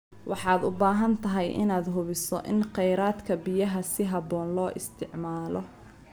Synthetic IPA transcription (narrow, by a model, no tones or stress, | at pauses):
wɑħɑːd̪ʊbaːɦɐnt̪ʰɐɦɛjʔɪ̰naːd̪ɦʊβɪsɔʔɪnqɛjɾaːd̪kʰɐbɪjɐɦɐsɪɦɑbɔːnlɔːʔɪst̪ʰɪʕmaːlɔ